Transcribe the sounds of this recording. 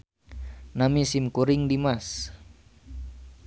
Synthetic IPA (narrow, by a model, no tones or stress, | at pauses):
namisimkuɾiŋdimas